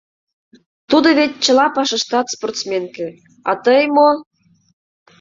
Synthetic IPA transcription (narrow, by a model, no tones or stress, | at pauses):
t̪ud̪ŏβetʲt͡ɕə̆lɑpɑʃɤ̆ʃt̪ɑt̪sport̪smʲenkĕ | ɑ̰t̪ɤjmo